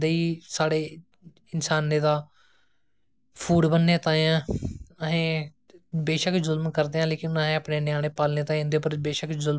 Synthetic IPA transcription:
d̪eːiːsaːɽeː | ɪnsaːnːeːd̪aː | pʰuːɖbənːeːt̪ãːjãːəɦẽː | beːʃəkzʊlmkəɾd̪eːãːleːkɪnəɦẽːəpneːnɪjaːɽeːpaːlneːt̪ãːẽnd̪epəɾbeːʃəkzʊl

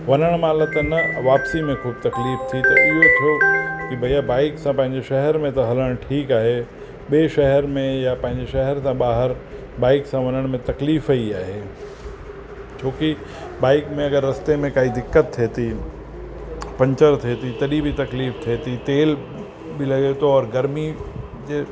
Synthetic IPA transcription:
ʋɐnəɽ̃maːlət̪ɐnɐʋaːpsimẽxuːbt̪ɐkliːft̪ʰit̪ɐɪɦot̪ʰijokibʱɐjabaːɪksãpɐ̃ɦɪ̃ɲ̆d͡ʑeʃɐɦəɾmẽt̪ɐɦɐləɽ̃ʈʰiːkaːɦe | ɓeʃɐɦəɾmẽjapɐ̃ɦɪ̃ɲd͡ʑeʃɐɦəɾsãɓaːɦəɾ | baːɪksãʋɐnəɽ̃mẽt̪ɐkliːfəiaːɦe | t͡ʃʰoːki | baːɪkmẽɐɡəɾːɐst̪emẽkaːid̪ɪkːət̪ʰːeːt̪i | pɐ̃ɲt͡ʃəɾt̪ʰeːt̪it̪ɐɗibʱit̪ɐkliːft̪ʰeːt̪it̪eːl | bʱilɐɡet̪oɔːɾɡɐɾmi | d͡ʒeː

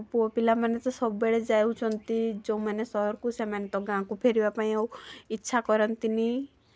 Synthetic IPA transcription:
puɔpilamanet̪ɔsɔbbeɭed͡ʒaeũt͡ʃʰɔnt̪id͡ʒoũmanesɔɦɔɾkusemanet̪ɔɡãkupʰeɾibapaĩewitːʃʰakɔɾɔnt̪ini

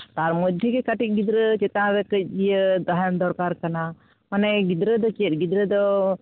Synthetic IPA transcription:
t̪aɾmod̪ʱjəkekaʈik̚ɡid̪ɾət͡ʃet̪ãɾekəd͡ʒijəd̪aɦjənd̪ɔɾkaɾkana | maneɡid̪ɾəd̪ɔt͡ʃiet̪̚ɡid̪ɾəd̪ɔ

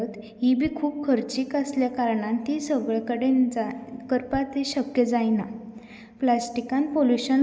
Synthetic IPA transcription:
ət̪ | ɦibʱiːkʰuːbkʰəɾt͡ɕiːkəsljakaɾɳãnt̪isəɡɭkəɽenkəɾpat̪eɕəkjəd͡zajna | plasʈikanpoljuɕən

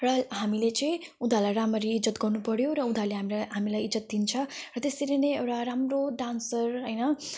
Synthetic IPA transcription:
rʌɦamilet͡sʌj̃ | ud̪ʱalajɾamʌɾiːd͡zʌt̪ɡʌrnupʌɽjoɾʌud̪ʱaleɦamilaɦamilajid͡zʌt̪̚d̪int͡sʰʌrʌt̪est̪iɾenejewʈaɾamroɖansʌrɦʌjnʌ

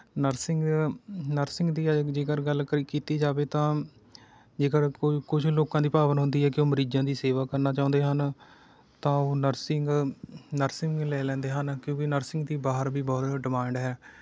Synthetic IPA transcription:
nəɾsɪŋɡnəɾsɪŋɡd̪iːd͡ʒeːkəɾɡəlkəɾiːkiːt̪iːd͡ʒaːʋeːt̪ãː | d͡ʒeːkəɾkʊd͡ʒʰloːkãːd̪iːpaːbənɦʊnd̪iːɦɛːkɪoːməɾiːd͡ʒãːd̪iːseːʋaːkəɾnaːt͡ʃãːnd̪eːɦən | t̪ãːoːnəɾsɪŋɡnəɾsɪŋɡlɛːlɛ̃ːnd̪eːɦənkjõːkɪnəɾsɪŋɡd̪iːbaːɦəɾbʱiːbɔːt̪ɖɪmãːɳɖɦɛː

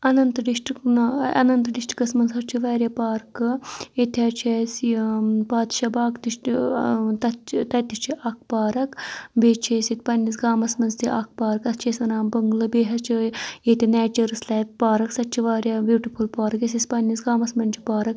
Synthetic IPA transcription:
ɐnɐnt̪ɖiʃʈiknɐ̰nɐnt̪ɖiʃʈi̥kɐsmɐnzɐɾt͡ʃʰiʋaːɾʲjaːpaːɾkɨet̪ʲʰat͡ʃʰes | paːd̪ʃabaːkt̪iʃ | t̪ɐt̪ɐt̪ʲːit͡ʃʰiʔɐk̚ʰpaːɾɐkbeːt͡ʃʰeːsit̪̚ʲpɐnʲːis̬ɡaːmɐsmɐnzt̪iʔɐːk̚ʰpaːɾɐkɐst͡ʃʰeːsʲɐnaːmbɐŋɡlɨbeːɦɐt͡ʃʰijet̪ʲinɛːt͡ʃɐɾɨslaːp̚paːɾɐksɐt̪̚t͡ʃʰiʋaːɾʲjaːbuːʈipʰulpaːɾɐkesʲispɐnːisɡaːmɐsmɐnt͡ʃʰi̥paːɾɐk

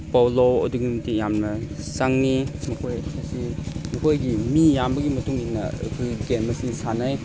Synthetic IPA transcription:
pawloɐ̰duɡimitijamnɐsaŋnimɐkʰojkʰasimukʰojɡimijambɐɡimɐtuŋinːɐ̰ɯ̰kʰɯɡemɐsisanaj

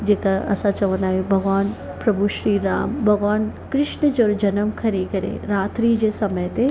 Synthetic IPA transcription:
d͡ʒeːkaɐ̰sãt͡ʃɐʋənaːɦjobʱɐɡʋaːn | pɾɐbʱuʃɾiːɾaːmbʱɐɡʋaːnkɾɪʃɳəd͡ʒoːɾd͡ʒɐnəmkʰɐɾikɐɾḛɾaːt̪ɾiːd͡ʑesɐməjt̪e

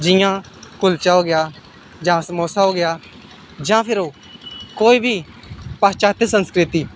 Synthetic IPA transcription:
d͡ʒɪjãː | kʊlt͡ʃaːoːɡɪjaː | d͡ʒãːsəmoːsaːoːɡɪjaː | d͡ʒãːpʰɪɾoː | koːiːbʱiː | paːt͡ʃaːt̪esənskɾɪt̪iː

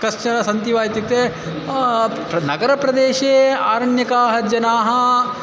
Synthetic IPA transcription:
kɐʂt͡ʃɐɾɐsɐnt̪iʋaːjt̪it̪ːe | nɐɡɐɾɐpɾɐd̪eːʃeːaːɾɐnjɐkaːɦɐd͡ʒɐnaːɦɐ̆

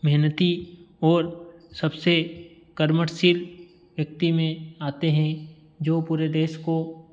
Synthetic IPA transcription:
mɛɦnət̪iɔːɾsɐbse | kəɾməʈsil | ʋjɐk̚t̪imẽaːt̪eɦɛ̃ | d͡ʒoːpuːɾed̪eːʃko

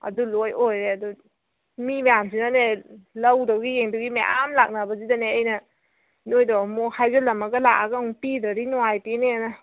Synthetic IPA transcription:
ɐ̰dulojojɾeadu | mimejamsinanelɐwdawɡijeŋdɔwɡimeʔamlak̚nabɐzidaneɐjnɐ | nojdɔmohajɡalɐmaɡɐlakaɡauŋpidaɾinɔajpinena

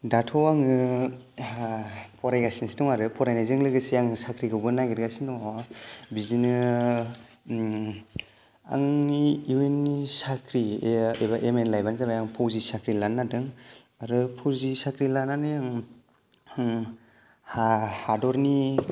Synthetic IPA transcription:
datʰɔwaŋɯ | pʰɔɾajɡasinsi̥tɔŋaɾɯpʰɔɾajnazɯŋlɯɡɯsijaŋsakʰɾiɡɯwbɯnajɡiɾɡasinɔ | bizinɯ | a̰ŋiwenːisakʰɾiebaʔemenlajbanzabajaŋpʰowzisakɾilanːadɯŋ | aɾɯpʰuɾzisakɾilananɯaŋ | hahadɔɾni

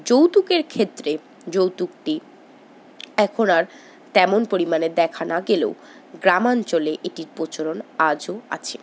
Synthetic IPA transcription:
d͡ʑowt̪ukeɾkʰet̪ːɾe | d͡ʑowt̪uk̚ʈi | ɛkʰonaɾ | t̪ɛmonpoɾimaned̪ɛkʰanaɡelḛw | ɡɾamant͡ɕoleʔeʈiɾpot͡ɕoɾonad͡ʑoa̰t͡ɕʰe

